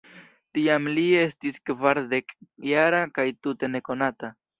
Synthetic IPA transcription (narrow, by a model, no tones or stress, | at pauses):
tiamlie̞stiskvaɾd̪e̞kjaɾakajt̪ute̞ne̞ko̞nata